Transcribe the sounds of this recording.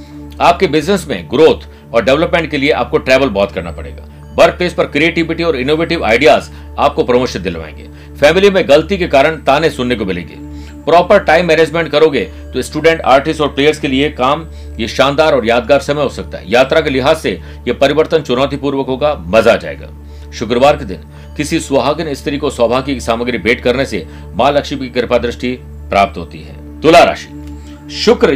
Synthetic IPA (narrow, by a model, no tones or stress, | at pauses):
aːp̚kebɪznəsmḛ̃ɡɾoːt̪ʰ | ɔːɾɖɛʋləpmẽːɳʈ̚kelieʔa̰ːp̚koʈɾɛːʋəlbɔːt̪kɐɾna̰pɐɽḛːɡa̰ː | bɐɾpleːspɐɾkɾieːʈɪʋɪʈiɔːɾɪnoːʋeːʈɪʋa̰ːɪɖijaːz | aːp̚kopɾɐmoːʃɪt̪̚d̪ɪlʋã̰ːḛ̃ŋɡḛː | fɛːmɪlimẽɡɐlt̪ikekaːɾəɳ̃t̪aːnẽsʊnːekomɪlḛ̃ːŋɡḛː | pɾɔːpəɾʈaːɪmːɛːneːd͡ʒmẽɳʈ̚kɐɾoːɡeː | t̪osʈuːɖɛ̃ːɳʈa̰ːɾʈɪsʈɔːɾpleːjəɾskeliekaːm | jeʃãːnd̪aːɾɔːɾjaːd̪ɡaːɾsɐmɛjɦosɐk̚t̪a̰ɦɛ̰jaːt̪ɾakelɪɦaːzse | jepɐɾɪʋəɾt̪ənt͡ʃʊnɔːt̪ʰipuːɾʋəkõkamɐzad͡ʒa̰ːḛːɡa̰ː | ʃʊkɾəʋaːɾked̪ɪ̰n | kɪsisʋɐɦaːɡneɪst̪ʰɪɾikoswaːbʱaːkiksaːməɡɾibeːʈkɐɾnese | maːlɐkʃikikɪɾɪpad̪ɾɪʃʈi | pɾaːp̚t̪ɦo̰ːt̪ḭɦɛ̰ː | t̪ʊlaɾa̰ːʃi̥ | ʃʊkɾ